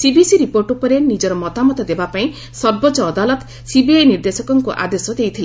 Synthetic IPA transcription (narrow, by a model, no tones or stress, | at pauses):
sibisiɾipoɾʈupɔɾenid͡ʒɔɾɔmɔt̪amɔt̪ɔd̪ebapaĩ | sɔɾbɔt͡ʃɔːd̪alɔt̪ | sibiajniɾd̪esɔkɔŋkuʔa̰d̪esɔd̪ejt̪ʰil